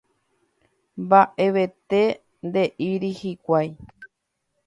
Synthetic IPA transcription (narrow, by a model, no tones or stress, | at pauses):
mbaʔe̞ʋe̞t̪e̞ | nd̪e̞ʔiɾihikʷaj